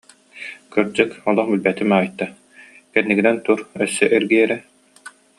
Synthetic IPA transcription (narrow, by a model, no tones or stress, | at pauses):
kɯɾd͡ʑɯkɔlˠɔχbilbɛt̪imaːjt̪ːa | kɛnːiɡinɛnt̪uɾœsːœʔɛɾɡiɛɾɛ